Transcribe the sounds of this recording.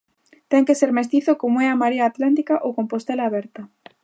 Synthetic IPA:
t̪eŋkeseɾmest̪iθokomoɛamaɾeaːt̪lant̪̬ikaʔokompost̪elaːβ̞eɾt̪a

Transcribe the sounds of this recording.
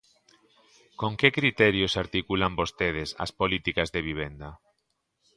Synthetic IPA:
koŋkekɾit̪ɛɾjosaɾt̪ikulambost̪eð̞ɪsɐ̰spolit̪ikazðeβ̞iβ̞end̪ɐ

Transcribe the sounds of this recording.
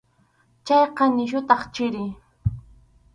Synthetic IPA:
t͡ʃajqɑnɪʃʊt̪ɑχt͡ʃɪɾɪ

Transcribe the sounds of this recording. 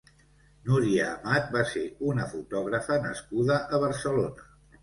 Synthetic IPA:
nuɾiəːmat̪̚baseunəfut̪ɔɣɾəfənə̰skuðəʔəβ̞əɾsəlonə

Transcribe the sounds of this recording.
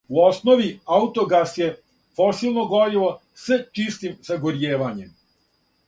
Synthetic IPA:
uosnoʋiaut̪oɡasje | fosilˠnoɡoɾilo | set͡ʃist̪imzaɡoɾjeːʋaɲem

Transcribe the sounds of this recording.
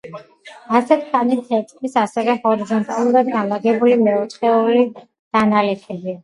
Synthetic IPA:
asɛt̪ʰχanit̪ʰːɛt̪ʼqʼisasɛvɛhɔɾizɔnt̪ʼalˠuɾad̪̚ɡamlˠaɡɛbulimɛut̪χʼɛuli | d̪̥analɛpʰɛbi

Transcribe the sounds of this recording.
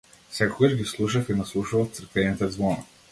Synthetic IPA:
fsɛkoɡaʒɡislˠuʃ̬ɐfinaslˠuʃuvɐft̪səɾkvɛnit̪əd̪zvɔnə

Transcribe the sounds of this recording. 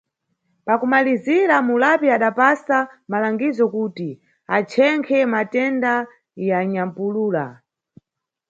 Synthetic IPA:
pakumaliziɾamulapiaɗapasamalaŋɡizɔkuːti | at͡ʃʰɛŋkʰɛmatɛnda | jaɲam̩puluːla̰

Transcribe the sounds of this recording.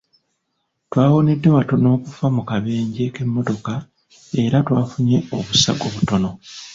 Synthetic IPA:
twaːwo̞ne̞dːe̞wato̞no̞ːkufamukaβe̞ːɲɟe̞ke̞mːo̞to̞ka | e̞ɾatwaːfuɲe̞o̞βusaɡo̞ːβuto̞no̞

